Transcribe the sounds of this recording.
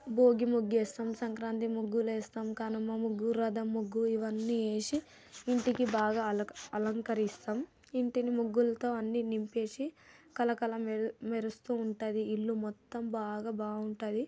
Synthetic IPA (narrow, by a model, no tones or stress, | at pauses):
bo̞ːɡimuɡːeːst̪ɐmsɐŋkɾaːnt̪̬imuɡːulɛːst̪aːmkaːnɐmːɐmuɡːuɾɐd̪ɐmːuɡːuiʋɐnːie̞ːʃiː | ɳʈikibaːɡaːɐlɐŋkɐɾist̪am | iɳʈinimuɡːulɐt̪o̞ːɐnːinimpeːsikɐlɐkɐlɐmmeɾust̪uːɳʈaːd̪iːlːumɔt̪ːɐmbaːɡaːbaːɡuɳʈaːd̪i